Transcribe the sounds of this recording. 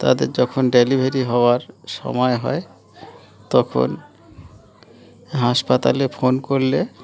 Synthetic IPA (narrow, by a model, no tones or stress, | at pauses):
t̪a̰d̪ḛɾd͡ʑɔkʰonɖelibʱeɾiɦɔoaɾʃɔ̰mɔeɦɔ̰e | t̪ɔkʰo̰n | ɦaʃpat̪a̰lefonkoɾle